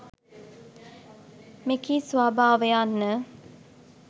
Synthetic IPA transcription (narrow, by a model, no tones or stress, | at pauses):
mekisʋaːbaːʋəjanːə